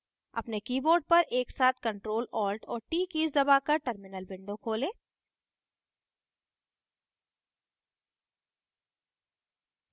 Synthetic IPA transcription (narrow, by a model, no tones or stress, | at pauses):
ɐ̰pnekiːboːɾɖ̚pɐɾʔeːksaːt̪̚ʰkɐ̃ɳʈɾoːlɔːlʈɔːɾʈiːkiːzd̪ɐbaːkɐɾʈɐɾmɪnəlbɪ̃ɳɖõkʰoːlẽː